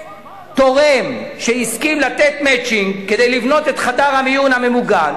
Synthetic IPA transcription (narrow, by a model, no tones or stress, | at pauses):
t̪o̞ʁemʃeiskimlat̪et̪met͡ʃiŋɡked̪ejlivno̞t̪e̞t̪χadaʁhamijunhame̞muɡal